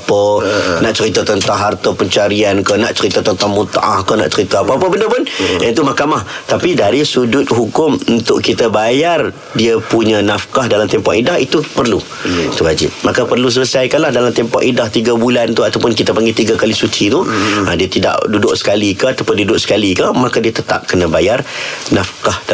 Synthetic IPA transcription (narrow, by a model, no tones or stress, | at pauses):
pənaʔt͡ʃəɾit̪at̪ənt̪aɦart̪əpəɲt͡ʃaɾiankəna̰ʔt͡ʃəɾit̪at̪ənt̪aŋmut̪a̰ʔahkəna̰ʔt͡ʃəɾit̪aapaːpəbəndəpʊnant̪̬umahkamaht̪apidaɾisud͡ʒʊt̪̚ɦukʊmunt̪ʊʔkit̪əbajar | diəpuɲə̃nafkahdalamt̪ɛmpɔʔidaɦit̪upərlu | it̪uwad͡ʒɪ̰t̪̚makapərlus̬ələsajkanlahdalamt̪ɛmpɔ̰kidaht̪iɡabulant̪uat̪awpʊnkit̪apaŋɡet̪iɡakalisut͡ʃit̪uadiət̪ida̰ʔdudʊʔsə̥kalikəat̪apʊndiudʊʔsə̥kalikəmakadiət̪ət̪a̰p̚kənəbajarnafkahd